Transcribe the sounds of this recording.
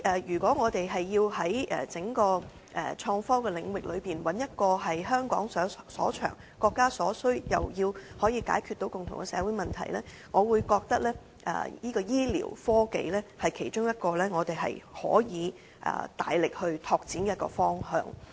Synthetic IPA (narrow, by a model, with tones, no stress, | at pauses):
ʔɛː˨jyː˨˩kʷɔː˨˥ŋɔː˨˧t̪e˨jɦɐ˨jːiː˧wɦɐ˨˥jɛ̰ː˨˩t͡sɪ˨˥ŋkɔː˧ | ʔɛ̰˨˩t͡ʃʰɔː˧ŋfɔ˥wkɛː˧lɪ˨˧ŋwɪ˨k̚lɵ˨˧ɥpiː˨nwɐ˨˥njɐ˥t̚kɔː˧ɦɐ˨jɦœː˥ŋkɔ̰ː˨˥ŋsːsɔ̰ː˨˥t͡ʃʰœ̰ː˨˩ŋ | kɔː˧kːaː˥sɔː˨˥sɵ˥ɥjɐ̰˨wjiː˧whɔː˨˥jiː˨˧ka̰ː˨˥jkʰyː˧t̪ːo˨˥wkʊ˨˩ŋt̪ʰʊ˨˩ŋkɛ˧sɛ̰ː˨˧wu˨˥jmɐ˨nt̪ʰɐ̰˨˩jlɛː˥ | ŋɔː˨˧wuː˨˧jkɔː˧k̚t̪ɐ˥k̚lɛː˥ | ʔɛ̰ː˨˩jiː˥kɔː˧jiː˥lḭː˨˩wfɔː˥ke˨˧jlɛː˥hɐ˨jkʰe˨˩jt͡ʃʊ˥ŋjɐ˥t̚kɔː˧lɛː˥ŋɔː˨˧t̪e˨jɦɐ̰˨jhɔ̰ː˨˥jiː˨˧ | ʔɛ̰ː˨˩t̪a̰ː˨jlɪ˨k̚hɵ˧ɥt̪ʰɔː˧k̚t͡siː˨˥nkɛ˧˦˥t̚kɔ̰ː˧fɔː˥ŋhœ̰ː˨ŋ